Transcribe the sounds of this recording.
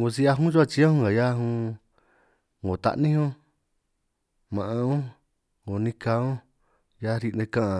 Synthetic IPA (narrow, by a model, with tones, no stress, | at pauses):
ŋɡõ˧si˦˧˦a˧ɦũ˦t͡ʃu˦a˧t͡ʃi˧˦ã˦hũ˦˧a˨ja˦ɦũ˧ | ŋõ˨t̪a̰˧ʔnĩ˦õ˦ | mã˨ʔã˧õ˦ | ŋõ˨˧nĩ˧ka˧˦õ˦ | ja˦ɾi˧ʔnẽ˧kã˦ʔã˧